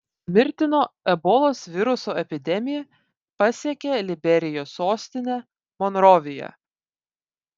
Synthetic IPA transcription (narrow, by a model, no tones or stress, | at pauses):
mʲɪɾʲt̪ʲɪnoːɛbɔːlˠoːsʋʲɪɾʊsoːɛpʲɪd̪ʲɛmʲɪjɛ | pɐsʲiɛkʲelʲɪbʲɛɾʲɪjoːsːoːsʲt̪ʲɪnʲɛ | mɔnɾɔʋʲɪjɛ̰